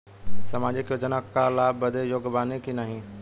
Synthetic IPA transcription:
sɐmaːd͡ʑekjoːd͡ʒənakalaːbəd̪ʱejoːɡbaːnikinaːɦĩː

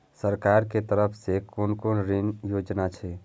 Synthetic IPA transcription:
səɾkaːɾket̪əɾəpʰsekonkoːnɾinjoːd͡ʒnat͡ʃʰɛ

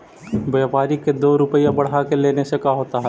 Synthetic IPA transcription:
bepaːɾiked̪oːɾʊpəjãbɐɽ̤akeleːnesekaɦoːt̪aɦɛː

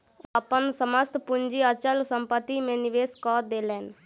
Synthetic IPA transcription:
əpənsəməst̪pʊnd͡ʒiːət͡ʃəlsəmpət̪imẽniʋeːskɔːɾd̪eːlɛːn

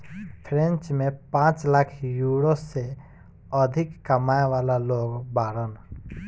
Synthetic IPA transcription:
pʰɾẽnt͡ʃmẽpãːt͡ʃlakʰjuɾose | əd̪ʱɪkːəmaːeʋaːlaloːɡbaːɾən

